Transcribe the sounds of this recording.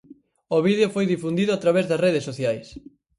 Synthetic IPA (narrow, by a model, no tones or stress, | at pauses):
oβiðeofojðifund̪iðʊat̪ɾaβezðɐsreð̞esːoθjajs